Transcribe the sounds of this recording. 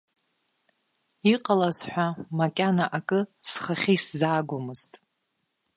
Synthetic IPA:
iqʼalazħʷᶣamakʲʼanaʔakʼɨsχaχʲiszaːɡʷʊmɨz̥tʼ

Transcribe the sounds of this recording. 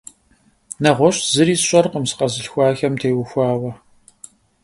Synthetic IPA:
nɐʁʷɔɕzɨɾiːsɕʼɐrqəmsɨ̥qɐzɨɬxʷɑːxɐmtʰeːjwʊxʷɑːwɐ

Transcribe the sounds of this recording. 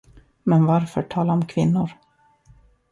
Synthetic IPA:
mɛnvaɾfœ̰ʈʰɑːlaɔmkʰvɪnːʊɾ

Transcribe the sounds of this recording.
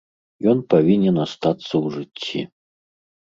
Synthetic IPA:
jɔnpavʲinʲɛnast̪at̪sːɐwʐɨt͡sʲːḭ

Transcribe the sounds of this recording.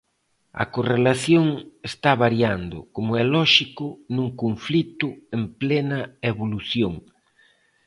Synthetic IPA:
ɐ̰korelaθjoŋest̪aβaɾjand̪ʊ̰komʊɛlɔʃikʊnũŋkoɱflit̪ʊemplenɐeβoluθjoŋ

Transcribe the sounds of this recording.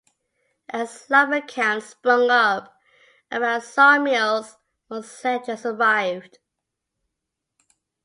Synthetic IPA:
ʔəslʌvəkʰãnspɹʌ̃ŋʌp | ʔəmaʊsɑmjilˠz | wəz̥sɛt͡ʃəsəvaɪvd̥

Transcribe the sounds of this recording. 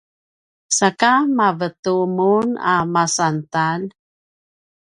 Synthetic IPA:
sakamavətumunamasantan

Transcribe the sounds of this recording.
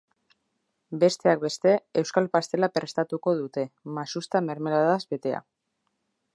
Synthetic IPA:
be̞st̪e̞ak̚be̞st̪e̞ewskalpast̪e̞lape̞ɾst̪at̪uko̞ð̞ut̪e̞masust̪ame̞ɾme̞laðazbe̞t̪e̞a̰

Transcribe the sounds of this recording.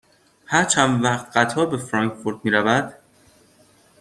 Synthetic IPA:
hæɾt͡ʃʰænvæχt̪ɢ̥æt̪ʰɒːbe̞fɾɒŋkfoɾd̪̚miːɾævæd̪̥

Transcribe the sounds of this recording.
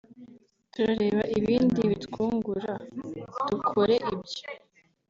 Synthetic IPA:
tuɾaɾe̞ːβaʔiβiːndiβitkuːŋɡuɾad̥ukʰoɾe̞ʔibjo

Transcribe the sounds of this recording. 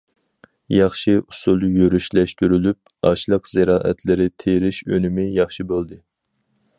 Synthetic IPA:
jɑχʃiʔusulˠjøɾyʃlɛʃt̪yɾylyp̚ɑ̰ʃlˠəqz̥ɪɾɑːʔɛ̰t̪ʰlɪɾɪt̪ʰeɾɪʃønɪmɪjɑχʃibolˠd̪ɨ

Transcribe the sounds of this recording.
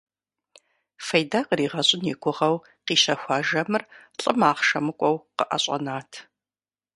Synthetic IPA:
fɐjdaqəriːʁɐɕʼɪnikʷʊʁɐw | qiːʃɐxʷɑːʒɐmɨrɬʼəmaːχʃɐmɨkʷʼɔwqəʔɐ̰ɕʼɐ̰naːtʰ

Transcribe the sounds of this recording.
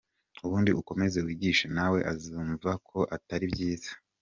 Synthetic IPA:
uβuːndiʔuko̞me̞ze̞wiːɟiːʃenawe̞ʔaziɱvakʰo̞ʔataɾibɟiːz̥ḁ

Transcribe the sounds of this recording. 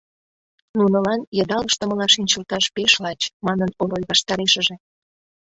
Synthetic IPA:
nunə̆lɑnjəd̪ɑləʃt̪əməlɑʃinʲt͡ɕəlt̪ɑʃpeʃlɑt͡ɕmɑnənoɾojβɑʃt̪ɑɾeʃə̆ʒe

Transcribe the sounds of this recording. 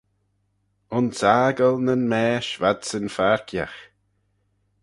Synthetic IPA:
ʊnsaːɡəlnənmɛːʃvad̪sənfaɹkʰja̰x

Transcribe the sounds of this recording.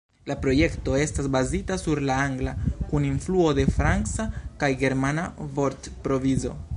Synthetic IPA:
lapɾo̞je̞kto̞e̞stasbazitasuɾlaaŋɡlakuninfluo̞de̞fɾant͡sakajɡe̞ɾmanavo̞ɾtpɾo̞vizo̞̰

